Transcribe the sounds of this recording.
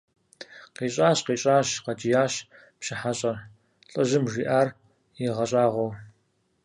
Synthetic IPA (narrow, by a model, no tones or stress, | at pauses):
qeːɕʼaːɕqeːɕʼaːɕqɐd͡ʒɪjaːɕ | pɕɪħaɕʼɐr | ɬʼɐʑɪmʒiːʔaːr | jɪʁɐɕʼaːʁʷow